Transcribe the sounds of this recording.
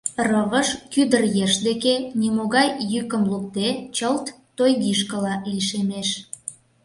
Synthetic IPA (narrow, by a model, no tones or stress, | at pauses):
rəβəʃkyd̪ərjeʃd̪ekenimoɣɑjːykəmluk̚t̪et͡ɕəlt̪ːojɣiʃkəlɑliʃemeʃ